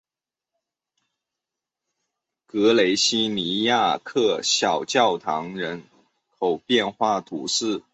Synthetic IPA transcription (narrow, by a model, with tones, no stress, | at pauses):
kɤ˧˥le˧˥ɪɕi˥ni˧˥ja˥˩˧kʰɤ˥˩ɕjɑ˨˩ʊt͡ɕjɑ˥˩ʊt̪ʰɑ˧˥ŋɻə˧˥n | kʰo˨˩ʊpjɛ˥˧nxwa˥˩t̪ʰṵ˧˥ʂɻ̩˥˩